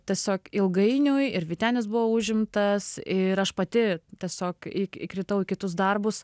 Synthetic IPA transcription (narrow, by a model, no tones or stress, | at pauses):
t̪ʲiɛsʲoːkɪlˠɡɐɪnʲʊjɪɾʋʲit̪ʲæːnʲɪs̬bʊʋoːuʒʲɪmt̪ɐsɪɾɐʃpɐt̪ʲɪt̪ʲiɛsʲoːkɪkɪ̰kɾʲɪt̪ɐʊɪkʲɪt̪ʊs̬d̪ɐrbʊs